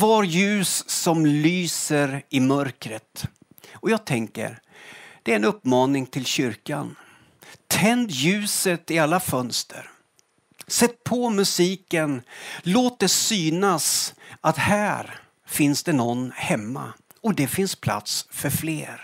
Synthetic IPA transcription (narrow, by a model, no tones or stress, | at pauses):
vɑɾjʉ̟ːsːɔmlyːsəɾɪmœɾkɾət̪ | ɔjɑːɡ̚t̪ʰɛŋkə̰ɾd̪̥ɛːɾɛnɵpːmɑːnɪŋt̪ʰɪlɕʏɾka̰nʰ | ɛnd̪jʉ̟ːsət̪ɪalːafœnst̪ʰə̰ɾ | sɛt̪̚ːpʰɔmɵsiːkənloːt̪̚d̪ɛsyːnasat̪hæːɾ | fɪnsd̪ɛnɔnːhɛmːa̰ | ɔd̪ɛfɪnspʰla̰t̪sfœɾflḛːɾ